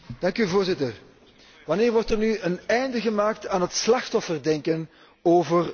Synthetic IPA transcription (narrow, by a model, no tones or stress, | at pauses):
d̥ɑŋkyvoːrzɪtər | ʋɑneːrʋɔrtərnyənɛjndəɣəmaːk̚taːnɦətslɑxtɔfərdɛŋkən | oːvər